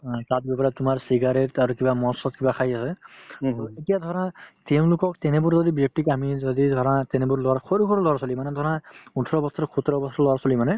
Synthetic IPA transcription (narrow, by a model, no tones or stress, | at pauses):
tat̚bɛpaɾatumaɹsiɡaɾetaɾukibamɔsɔt̚kibakʰajasɛ | uetijad̪ʱɔɹãt̪ɛʊ̃lʊkɔk̚t̪ɛnɛbʊɹzɔd̪ibek̚ʈikamizɔd̪id̪ʱɔɾãt̪ɛnebuɹlɔakʰɔɾukʰɔɾulɔɾasɔlimanɛd̪ʱɔɹãutʰɔɾɔbɔsɔɾɔkʰut̪ɾɔbɔsʰɔɾɔlɔasɔlimanɛ